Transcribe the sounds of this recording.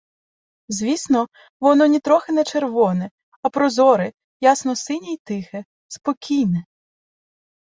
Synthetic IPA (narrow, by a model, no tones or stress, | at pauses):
zʲʋʲisnɔ | ʋɔnɔnʲit̪ɾɔxɪnɛt͡ʃerʋɔnɛ | ɐpɾɔzɔɾɪ | jasnɔsɪnʲijt̪ɪxɛ | spɔkʲijnɛ